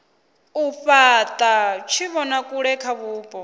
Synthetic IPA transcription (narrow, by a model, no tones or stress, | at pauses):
uɸat̪ʼat͡ʃʰiβɔnakʼuɺɛkʰaβuːpʼɔ